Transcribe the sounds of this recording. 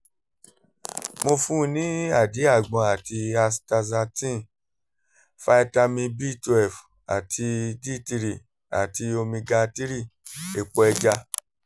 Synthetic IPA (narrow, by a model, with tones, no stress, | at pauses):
mo˧fũ˦nĩ˨˦a˦˨di˨˦a˦˨ɡ͡bɔ̃˧a˨ti˧a˧sta˧za˧tĩ˦˨ | fa˧˦ɛ˧ta˧mĩ˧bi˦tɛ˨f | a̰˨tʰi˧di˦˨ti˧ɾi˨ | a̰˨ti˧o˧mĩ˧ɡa˧ti˦ɾi˦˨e˨k͡pɔ˧ɛ˧d͡ʒa˧